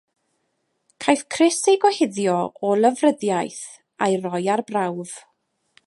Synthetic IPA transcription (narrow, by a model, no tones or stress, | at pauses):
kʰajfkʰrɪseɡɔhɪðjɔɔlˠəvrəðjajθ | ajrɔjarbrawv̥